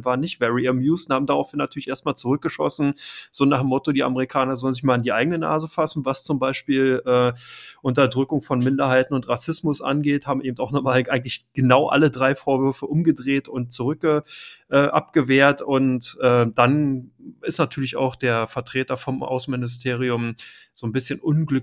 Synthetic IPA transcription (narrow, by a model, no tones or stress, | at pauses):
vaːɐnːɪçtv̥ɛʁiɛmjuːsnhaːbm̩daʁaʊfhɪnːatʰyːɐlɪçʔeːɐst̚maːlt͡suʁʏk̚ɡ̥əʃɔ̰sn̩z̥oːnaːχemːɔtodiːa̰məʁikʰaːnɐzɔlənzɪçmaːlandiːʔa̰ɪɡənəna̰ːzəfasn̩vast͡sʊmbaɪʃpiːlʔɛːʔʊntɐdʁʏkʊŋfɔnmɪndɐɦaɪtn̩ʊntʁasɪsmʊsʔa̰nɡeːthaːbm̩ʔeːbm̩taʊxnɔχmaːlʔaɪɡŋ̩tlɪçɡ̥ənaʊʔa̰lədʁaɪfoːɐvʏɐfəʔʊmɡədʁeːtʊntt͡suʁʏk̚əʔɛːʔa̰pɡ̥əveːɐtʊntʔɛːd̥anɪstnatʰyːɐlɪça̰ʊxd̥eːɐfɛɐtʁ̥eːtɐfɔmʔa̰ʊsn̩mɪnɪs̬tʰeːʁ̞iʊm | z̥oːnbɪsçənʔʊnɡlʏk